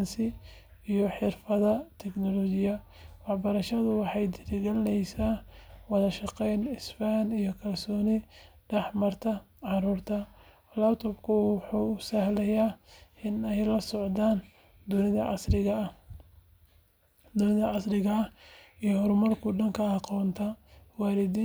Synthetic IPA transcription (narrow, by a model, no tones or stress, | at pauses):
ɑnsɪ | ijɔħɪrfɐðɐt̪ʰɛɡnɔlɔt͡ʃɪjɐ | wɑħbɐɾɐʃɐðʊwɑħɑjd̪ɪlɪɣɐnɛjsaːwɑðɐʃɑqɛjnɪsfaːnijɔkʰɐlsɔːnɪɖɛħmɐrt̪ʰɐʕɑɾuːrt̪ʰɐ | lɐpt̪ʰɔbkʰʊwħuːʊsɐhlɛjaːɪnɛjlɐsɔʕd̪aːn | d̪ʊnɪðɐʕɑ̰slɪɣɐɐ | d̪ʊnɪðɐʕɑslɪɣɐɐijɔhɔɾʊmɐrkʰʊɖɐŋkʰɐːqɔːnt̪ʰɐwɑːɾɪd̪i